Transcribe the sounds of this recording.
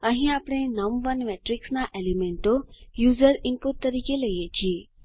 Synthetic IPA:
əɦĩapɽ̃enəmʋənmeʈɾiksnaʔelemeɳʈojuzəɾɪmpuʈ̚t̪ːəɾikeləjet͡ʃʰie

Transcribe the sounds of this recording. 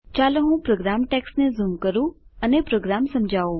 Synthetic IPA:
t͡ʃaleɦũpɾoɡɾamʈɛksnezumkəɾũənepɾoɡɾamsəmd͡ʒʱaʋũ

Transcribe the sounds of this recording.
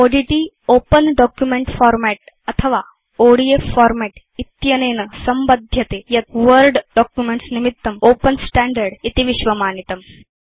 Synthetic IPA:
oɽiʈi | oːpənɖɔkjumeɳʈfɔːɾmɛʈ | ɐt̪ʰəʋa | oɽijefɔːɾmɛʈ | it̪jɐneːnəsɐmbɐd̪ʱjɐt̪ejɐt̪̚ʋəɾɖɖɔkjumeɳʈsnimit̪ːɐmoːpənsʈæɳɖəɾɽit̪iʋiʃʋɐmaːnit̪ɐm

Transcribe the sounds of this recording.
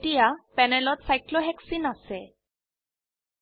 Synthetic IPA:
ʈijapɛnɛlɔtsajkloɦɛksinasɛ

